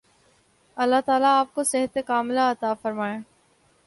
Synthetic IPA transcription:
ɐlːaɦt̪aːlaːp̚kosɪɦət̪ekaːmlaɐt̪aːfɐɾmaːẽː

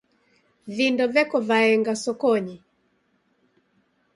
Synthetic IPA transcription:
vindɔvɛkɔvaɛŋɡasɔkɔɲi

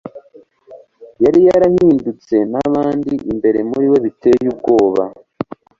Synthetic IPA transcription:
jaɾijaɾahiːndut͡se̞naβaːndiʔimbe̞ɾe̞muɾiwe̞βite̞jubɡo̞ːβa̰

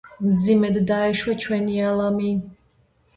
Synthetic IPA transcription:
md̪zimɛd̪ːaɛʃwɛt͡ʃʰwɛnialˠami

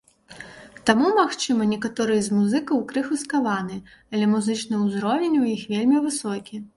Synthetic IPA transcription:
t̪amumaxt͡ʂɨmɐnʲɛkat̪ɔɾɨjɛzmuzɨkɐwkɾɨxɨskavanɨɐlʲɛmuzɨt͡ʂnɨuzɾɔvʲenʲujixvʲelʲmʲivɨsɔkʲi

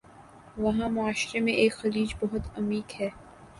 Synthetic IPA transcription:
ʋɐɦãmʊaːʃɾemẽʔeːkxɐliːd͡ʒbɐɦʊt̪ɐmiːkhɛː

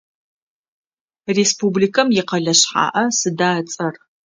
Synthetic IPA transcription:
respublikʰɐmjɪqɐɮɐɕħa̰ːʔɐsɨdaːt͡sʼɐr

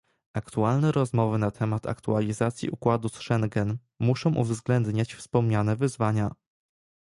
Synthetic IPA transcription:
akt̪ualnɛɾɔzmɔvɘnat̪ʰɛmat̪ʰa̰kt̪ualʲizat̪sʲjḭukwad̪usʂɛŋɡɛn | muʂɔ̃w̃ʔṵvzɡlɛnd̪ɲat͡ɕfspɔmɲanɛvɘzvaɲa

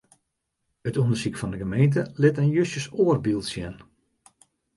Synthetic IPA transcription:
ətundərsikfɔndəɣəmejntəlɪtənjøsjəsoərbilˠsjɛn

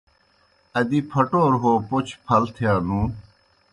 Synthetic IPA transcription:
ɐd̪ipʰɐʈoːɾɦoːpot͡ɕʰpʰɐlt̪ʰjaːnũː

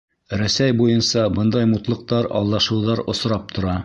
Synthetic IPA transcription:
ɾæsæjbujɤnsɑbɤnd̪ɑjmut̪lˠɤ̆q̚t̪ɑɾɑ̰lˠːɑʃɤ̆wðɑɾŏ̰sɾɑp̚t̪ʰŏɾɑ

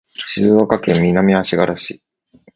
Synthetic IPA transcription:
ɕizɨokakẽ̞mːʲinamʲiaɕiɡaɾaɕi

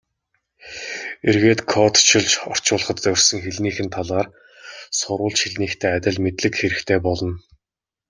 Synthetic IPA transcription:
erɣeːt̪kʰɔt̪t͡ɕʰɪ̆ɮt͡ɕɔr̥t͡ɕʊːɮə̆χə̆t̪ːœr̥ʲsɵ̆ŋxeɮniːxɘ̆nt̪ʰaɮaːr | sʊɾʊːɮt͡ɕxiɮniːxt̪ʰeːat̪ʲɪ̆ɮmet̪ɮɘ̆kxeɾɘ̆xt̪ʰeːpɔɮɞ̆n

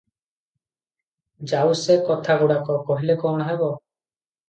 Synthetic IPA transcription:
d͡ʒawsekɔt̪ʰaɡuɽakɔkɔɦilekɔɽ̃ɔɦebɔ

